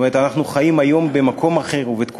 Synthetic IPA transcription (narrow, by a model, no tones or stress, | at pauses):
me̞et̪anaχnuχajimajo̞mbe̞makʰo̞maχe̞ʁuvet̪k